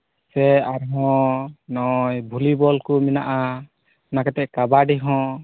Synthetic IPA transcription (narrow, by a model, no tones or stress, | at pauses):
sɛaɾɦɔ̃nɔjbʱulibɔlkumina̰ʔa | nakɛt̪ɛʔkabaɖiɦɔ̃